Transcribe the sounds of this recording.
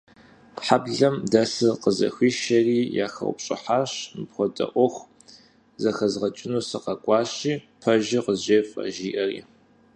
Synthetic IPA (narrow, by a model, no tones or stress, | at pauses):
pħabɮɐmdɐsɨqəzɐ̰xʷiːʃɐriːja̰ːxɐ̰w̰ʷpɕʼɪ̰ħaːɕmɨpxʷɔtʼɐ̰ʔʷɔxʷ | zɐxɐzʁɐt͡ʃʼɪnuːsɐqɐkʷʼɑːɕiːpʰɐʒɪqəzʑeːfʼɐ̰ʒiːʔɐrḭː